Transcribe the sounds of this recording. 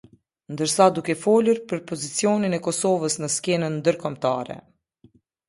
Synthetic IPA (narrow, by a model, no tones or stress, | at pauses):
nd̪əɾsad̪ukɛfɔluɾpəɾpɔzit͡sijɔninɛkɔsɔvəsnəskɛnənd̪əɾkɔmt̪a̰ɾɛ̰